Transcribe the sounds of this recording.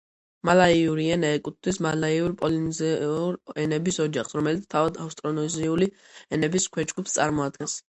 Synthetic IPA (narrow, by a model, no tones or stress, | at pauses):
malaiuɾiɛnaɛkʼut̪̚ʰt̪wismalaiuɾpʼɔlinziuɾɛnɛbisɔd͡ʒaχsɾɔmɛlit̪st̪ʰavad̪afst̪ʼɾɔnɔziuli | ɛnɛbiskʰwɛd͡ʒɡupst̪sʼaɾmɔad̪̚ɡɛns